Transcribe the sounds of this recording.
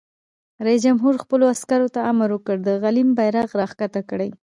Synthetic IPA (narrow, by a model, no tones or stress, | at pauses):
ɾais̬d͡ʒamɦuɾxpəloaskaɾot̪aamaɾwəkəɽd̪əɣalimbajɾɑɣɾɑxkat̪akɽəj